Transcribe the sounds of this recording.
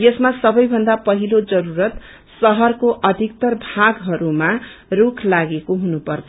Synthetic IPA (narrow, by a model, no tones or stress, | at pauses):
jʌsmasʌbʌjbʱʌnd̪apʌɦilod͡zʌɾuɾʌt̪ | sʌɦʌrkoʔʌd̪ʱik̚t̪ʌrbʱaɡɦʌɾumarukʰlaɡekoɦunupʌrtʰʌ